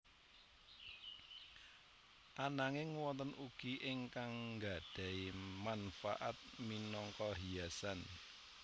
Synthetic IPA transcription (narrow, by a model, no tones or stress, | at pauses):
ʔanaŋɪŋwɔnt̪ənʔuɡ̥iʔɪŋkaŋɡa̤d̥a̤imanfa̰ʔat̪̚minɔŋkɔɦiasan